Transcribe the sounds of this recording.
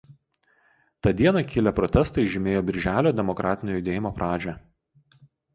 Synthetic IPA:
t̪ɑːd̪ʲiɛnɑˑkʲɪlʲɛpɾɔt̪ʲɛst̪ɐɪʒʲɪmʲeːjoːbʲɪɾʲʒʲæːlʲoːd̪ʲɛmɔkɾʔɑːt̪ʲɪnʲoːjʊd̪ʲeːjɪmoːpɾʔɑːd͡ʒʲɛ

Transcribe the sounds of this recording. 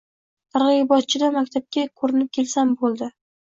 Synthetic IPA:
ɑɾʁibɒt̪̚t͡ʃʰɪd̪amakʲt̪ʰap̚kʲakʰoɾɪnɪp̚kʲʰe̞lsambolˠd̪ɪ

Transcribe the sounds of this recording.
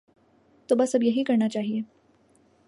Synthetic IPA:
t̪obɐsɐbjɐɦikɐɾnat͡ʃaːɦieː

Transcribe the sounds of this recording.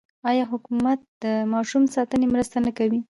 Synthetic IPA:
ɑjɑɦʊkumat̪̚d̪̥əmɑʃumsɑt̪ənemɾəst̪anəkawi

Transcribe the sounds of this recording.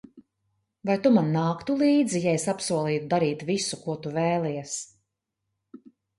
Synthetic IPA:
vajt̪umanːaːkt̪ulˠiːd̪zijaesapsuɔlˠiːt̪̚d̪aɾiːt̪visukuɔt̪uvɛːlˠɛjɛs

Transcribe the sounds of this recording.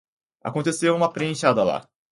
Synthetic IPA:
a̰kõnt̪esewũmɐpɾeẽʃad̪ɐla̰

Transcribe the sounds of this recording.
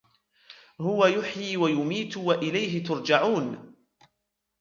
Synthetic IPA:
hʊwajʊħjiːwajʊmiːt̪waʔɪlajɦɪt̪ʊɾd͡ʒaʕuːn

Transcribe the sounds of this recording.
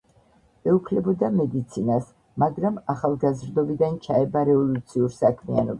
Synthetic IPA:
ɛupʰlɛbɔd̪amɛd̪it̪sʰinas | maɡɾamaχalˠɡazɾd̪ɔbid̪ant͡ʃʰaɛbaɾɛvɔlut̪sʰiuɾsakʰmianɔba

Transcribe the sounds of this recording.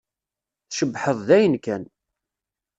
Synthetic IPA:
θʃəbħəðˤðæjənkæn

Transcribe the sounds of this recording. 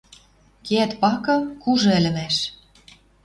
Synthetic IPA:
keæt̪pɑkɤ̆kuʒɤ̆ɘ̆lʲɘ̆mæʃ

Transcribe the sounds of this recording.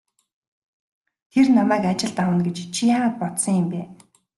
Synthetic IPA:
t̪ʰernamæːkat͡ɕɪ̆ɮt̪awə̆nɡet͡ɕt͡ɕʰijaːʁaːt̪̚pɔt̪sɞ̆ŋjɪ̆mpæː

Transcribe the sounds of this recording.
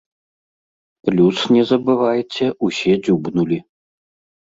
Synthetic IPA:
plʲusnʲɛzɐbɨvajt͡sʲɛʔusʲɛd͡zʲubnulʲi

